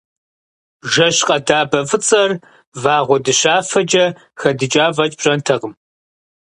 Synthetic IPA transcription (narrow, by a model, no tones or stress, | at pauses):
ʒɐɕqʼɐdaːbɐfʼɨt͡sʼɐr | vaːʁʷɔdɨɕaːfɐd͡ʒɐ | xɐdɨt͡ʃʼaːvɐt͡ʃʼb̥ɕʼɐntʰɐʁəm